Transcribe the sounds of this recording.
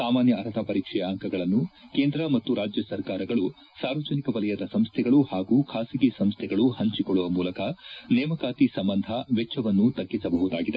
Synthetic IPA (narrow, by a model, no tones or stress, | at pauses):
saːmaːnjɐːɾɐt̪ʰɐpɐɾiːkʂɛjaŋkʰɐɡɐɭɐnːukeːnd̪ɾɐmɐt̪ːuɾaːd͡ʒjɐsɐɾkaːɾɐɡɐɭu | saːɾʋɐd͡ʒɐnikɐʋɐlɐjɐd̪ɐsɐmst̪ʰɛɡɐɭuhaːɡuːkʰaːsiɡesɐmst̪ʰɛɡɐɭuhɐɲt͡ʃikoɭːuʋɐmuːlɐkɐnɛːmɐkaːt̪isɐmbɐnd̪ʱɐʋɛt͡ʃʰːɐʋɐnːut̪ɐɡːisɐbɐɦud̪aːɡid̪e